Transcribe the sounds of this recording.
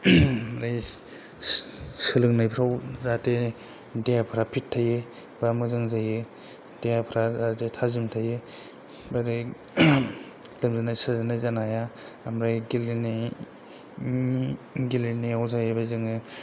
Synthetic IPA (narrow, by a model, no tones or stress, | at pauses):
ɾaj | sɯlɯŋnajpʰɾawzate | dejapʰɾapʰitʰːaje | bamɯzɯŋzaje | dejapʰɾazatetʰazimtʰaje | badaj | lɯmzɯnajsɯzɯnajzanajaamɾajɡiline | ɡilineawzajebajzɯŋɯ